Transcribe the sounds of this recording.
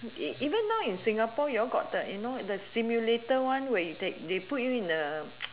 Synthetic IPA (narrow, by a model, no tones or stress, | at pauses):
iʔivə̃nːawĩnsĩŋapɔjɔɡɔ̰təjunodəsimjuletəwãnwɛjutek̚deput̚juĩnə